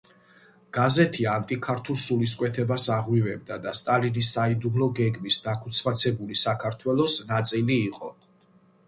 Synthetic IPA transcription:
ɡ̥azɛt̪ʰiant̪ʼikʰaɾt̪ʰulˠsuliskʼwɛt̪ʰɛbasaʁwivɛb̚d̪ad̪ast̪ʼalinisːaid̪ublɔɡɛɡmisd̪akʰu̥t̪sʰmat̪sʰɛbulisakʰaɾt̪ʰwɛlˠɔsnat̪sʼiliːqʼɔ

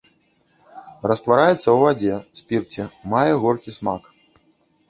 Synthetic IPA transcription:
rɐst̪vaɾajɛt̪sːɐwvad͡zʲɛsʲpʲirt͡sʲɛmajɛɣɔrkʲisma̰k

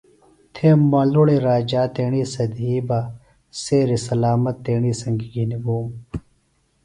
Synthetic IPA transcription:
t̪ʰeːmɐloɽeɾaːd͡ʑaːt̪eːɳiːsɐd̪iːba | seːɾisɐlaːmɐt̪ːeːɳiːsɐŋɡiɡiniboːm

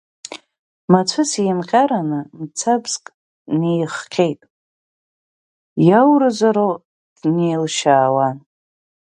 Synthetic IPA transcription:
mat͡sʷʰɨsijmqʲʼaɾanɨmt͡sʰabzkʼ | nejχqʲʰejtʼ | jawɾɨzaɾo | d̥nejlʃaːwan

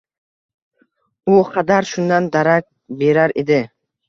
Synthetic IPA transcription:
uqʰɑd̪aɾʃund̪and̪aɾak̚ | beɾaɾed̪ɪ

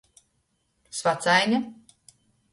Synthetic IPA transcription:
svat̪sajnʲɛ

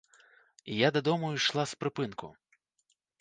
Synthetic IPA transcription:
jad̪ɐd̪ɔmʊʃlˠaspɾɪpɪnkʊ̰

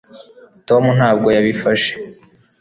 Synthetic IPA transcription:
to̞mun̥haːb̚ɡo̞jaβifaʃe̥

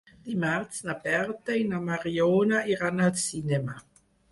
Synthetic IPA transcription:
d̥imaʁt͡snabɛʁtainamaʁjoːnaiʁanalsinɛma

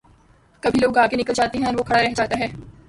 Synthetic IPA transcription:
kɐbʱiloːɡaːɡenɪkəld͡ʒaːt̪eɦɛ̃ɔːɾʋoːkʰɐɽaɾɛɦd͡ʒaːt̪aɦɛː

